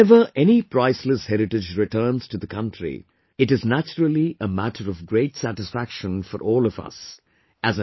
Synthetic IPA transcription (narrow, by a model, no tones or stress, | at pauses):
ɛvə˞ʔɛnipʰɹaɪsləshɛɾɨʈɨd͡ʒɹɨtʰɜ˞nz̥tɨðəkʰʌ̃ntʰɹḭ | ɨʈɨznæt͡ʃəɹəl̩ˠiəmæɾʰəɾʌvɡɹeɪtsætɨsfækʃə̃nfə̰ɾʔɔːlˠʌvʌ̰s | ʔɨz